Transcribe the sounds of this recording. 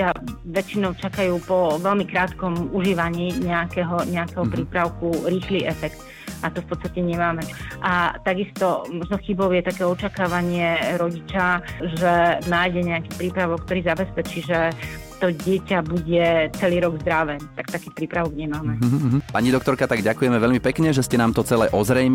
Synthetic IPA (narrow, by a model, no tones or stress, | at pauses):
aʋɛt͡ʃinɔʊt͡ʃakajuːpɔʋɛlmikɾaːt̪kɔmuʒiːʋaɲiːɲɛakɛɦɔɲɛakɛɦɔpɾiːpɾaʊkuɾiːxliːʔɛfɛkt̪ | ʔat̪ɔfpɔtt͡sst̪acɛɲɛmaːmɛʔat̪aɡist̪ɔmɔʒnɔxibɔʊjɛt̪akɛːɔt͡ʃakaːʋaɲɪɛɾɔɟit͡ʃaʒɛnaːjɟɛɲɛakiːpɾiːpɾaʋɔkːt̪ɔɾiːzabɛspɛt͡ʃiːʒɛ | t̪ɔɟɛcabuɟɛt͡sɛliːɾɔɡzd̪ɾaʋɛːt̪ak̚t̪akiːpɾiːpɾaʋɔɡɲɛmaːmɛpaɲid̪ɔkt̪ɔɾkat̪aɡɟakujɛmɛʋɛʎmipɛkɲɛʒɛscɛnaːmt̪ɔt͡sɛlɛ̰ʔɔzɾɛjm